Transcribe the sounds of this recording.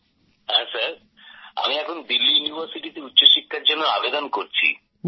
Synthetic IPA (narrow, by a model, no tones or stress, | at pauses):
ɦãsaɾ | a̰miɛkʰond̪ilːijunibʱaɾsiʈit̪eutːɕoʃikʰːaɾd͡ʑonːoabed̪onkoɾt͡ɕʰḭ